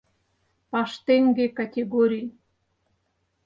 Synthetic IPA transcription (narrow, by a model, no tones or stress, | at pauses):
pɑʃt̪eŋɡekatʲeɡoɾʲij